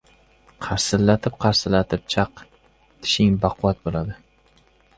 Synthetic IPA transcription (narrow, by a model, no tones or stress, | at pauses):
qʰɑɾsɪlːat̪ʰɪp̚qʰɑɾsɪlːat̪ʰɪp̚t͡ʃʰɑq | t̪ʰɪ̥ʃɪŋbɑqʰʊwat̪̚bolad̪ɪ